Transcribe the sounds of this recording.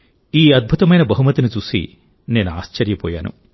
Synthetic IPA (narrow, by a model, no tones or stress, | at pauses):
iːɐd̪̚bʱut̪ɐmɐjnɐbɐɦumɐt̪init͡ʃuːsḭ | neːnua̰ːst͡ʃɐɾjɐpɔ̰ːja̰ːnṵ